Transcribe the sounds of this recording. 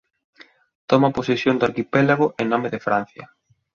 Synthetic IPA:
t̪ɔmɐposesjond̪ʊaɾkipɛlaɣ̞ʊʔenɔmeðɪfɾan̟θjɐ̰

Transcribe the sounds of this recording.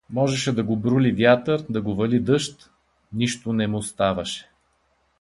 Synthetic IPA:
mɔʒɛʃɛd̪ɐɡobɾulivʲjat̪əɾd̪ɐɡovɐlid̪ɤʃt̪ | niʃt̪onɛmʊst̪avɐʃɛ̥

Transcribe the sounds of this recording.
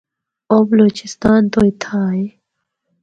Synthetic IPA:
ʔop̚lut͡ɕʰist̪aːnt̪ojt̪ʰaːj

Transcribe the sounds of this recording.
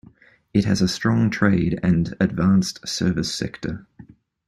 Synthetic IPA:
ɪthəzəstɹ̥ɒ̃ŋtʰɹ̥eɪdə̰̃nədvɑ̃ˑnstsɜːvɪsɛ̰ktʰə

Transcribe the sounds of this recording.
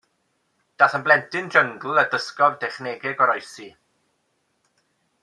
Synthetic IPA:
d̥aθənblɛntʰɪndəŋɡl̩ˠədəskɔvdɛχneɡɪɡɔɾɔjsi

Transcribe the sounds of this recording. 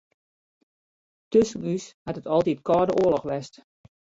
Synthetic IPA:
tøsənyshatətɔlˠtitkɔːdəʔoəlɔxʋɛst

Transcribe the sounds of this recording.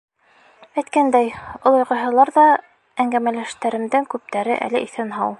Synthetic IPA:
æjt̪kænd̪æjŏlˠŏjʁɤ̆jɦɤ̆lˠɑɾðɑ | æŋɡæmælæʃt̪æɾɘ̆md̪ɘŋkʉp̚t̪æɾɘ̰ʔæ̰lɘʔiθɘnɦɑw

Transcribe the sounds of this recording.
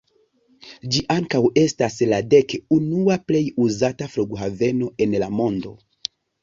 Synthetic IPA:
d͡ʒiʔaŋkawe̞staslade̞kunuaple̞juzatafluɡɦave̞no̞e̞nlamo̞ndo̞

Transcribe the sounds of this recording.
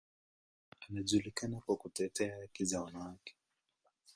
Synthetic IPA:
anaʄulikanakwakutɛtɛahakizawanawakɛ̥

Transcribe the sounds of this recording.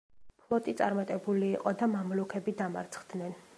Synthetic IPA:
pʰlˠɔt̪ʼit̪sʼa̰ɾmat̪ʼɛbuliːqʼɔd̪amamlukʰɛbid̪ama̰ɾt̪sʰχd̪̥nɛn

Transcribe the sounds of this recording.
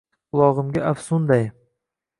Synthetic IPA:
qʊlˠɒʁɨmɡʲaʔafsʊnd̪aj

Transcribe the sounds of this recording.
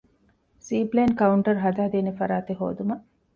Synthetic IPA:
siːpleːnkɐuɳʈɐɾɦɐd̪aːd̪iːnefɐɾaːt̪eɦo̰ːd̪umɐ

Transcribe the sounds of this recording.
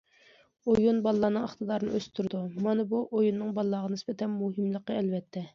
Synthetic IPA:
ojunbɑlˠːɑːnɨŋəχt̪ɨd̪ɑɾɨnɨ̰øst̪ʰuɾd̪umɑnɨbuʔojunːɨŋbɑlˠːɑːʁɑnɪsbɛt̪ʰɛnmuɦɨmlˠəqːəɛlvɛt̪ʰːɛ

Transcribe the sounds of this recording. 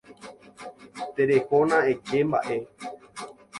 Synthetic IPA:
t̪eɾehonãed͡ʒemba̰ʔe̞

